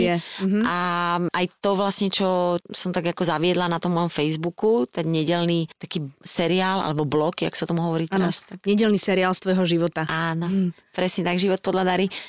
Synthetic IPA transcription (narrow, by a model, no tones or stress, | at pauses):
jɛɦaʔajt̪ɔʋlasɲɛt͡ʃɔsɔmt̪aɡakɔzaʋɪɛd̪lanat̪ɔmːɔjɔmfɛjzbukut̪aɡɲɛɟɛlnit̪akiːsɛɾiaːlʔa̰lɛbɔblɔkia̰ksaɔt̪ɔmuɦɔʋɔɾiːt̪ɛast̪akɲɛɟɛlnisɛɾiaːlst̪ʋɔjɦɔʒiʋɔt̪aaːnɔ | pɾɛsɲɛt̪aɡʒiʋɔt̪̚pɔd̪ʎad̪aɾi